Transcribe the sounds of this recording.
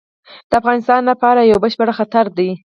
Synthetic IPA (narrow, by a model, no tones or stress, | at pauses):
d̪̥əafɣɑnɪst̪ɑnlapɑɾajawbəʃpəɽxat̪aɾd̪aj